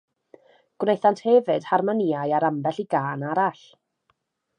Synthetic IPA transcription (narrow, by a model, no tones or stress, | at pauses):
ɡ̥wnejθanthɛvɨd̥harmaniajaɾambɛɬiɡaːnaɾaɬ